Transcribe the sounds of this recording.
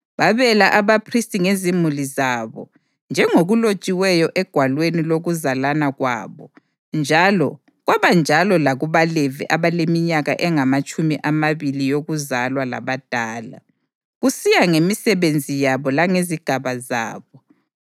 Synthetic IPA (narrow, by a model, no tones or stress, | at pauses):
βaβɛlaʔaβapʰristʼiŋezimulizaβɔ̰ | nd͡ʒʱɛŋoɣulo̥t͡ʃʼiwɛjɔʔɛɡ̥ʱwalweniloɣuzalanaɣwa̰ːβɔ | nd͡ʒʱalɔ̰ | ɣwaβand͡ʒʱalɔlaɣuβalɛvɛ̰ʔaβalemiɲaɣa̰ʔɛŋamat͡ʃʼumiʔamaβilijoɣuzalwala̰βad̥ʱaːla̰ | ɣusijaŋemisɛβend͡zʱijaβɔlaŋeziɡ̥ʱaβaza̰ːβɔ